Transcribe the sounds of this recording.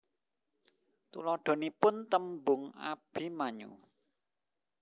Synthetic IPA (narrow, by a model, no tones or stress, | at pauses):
t̪ṵlɔɖ̪̥o̤nipʊnt̪əmbʊŋa̰b̥i̤maɲṵ